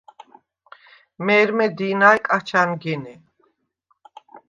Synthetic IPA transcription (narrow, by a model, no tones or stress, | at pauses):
mɛɾmɛd̪inajkʼat͡ʃʰanɡini